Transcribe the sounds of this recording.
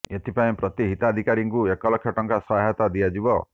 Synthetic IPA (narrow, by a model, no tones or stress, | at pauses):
et̪ʰipaẽpɾɔt̪iɦit̪ad̪ʱikaɾiŋkuekɔlɔkʰjɔʈɔŋkasɔɦat̪ad̪ijad͡ʒibɔ